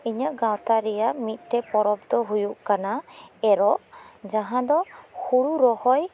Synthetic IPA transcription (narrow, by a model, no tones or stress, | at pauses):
iɲaʔɡawt̪aɾɛjaʔmit̪̚ˀʈɛpɔɾɔb̚d̪ɔɦujuʔkanaɛɾɔʔd͡ʒaɦãd̪ɔhuɽuɾɔhɔj